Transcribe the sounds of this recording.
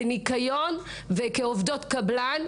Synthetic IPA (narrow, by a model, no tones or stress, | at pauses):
nikajon | vekeovd̪otkablan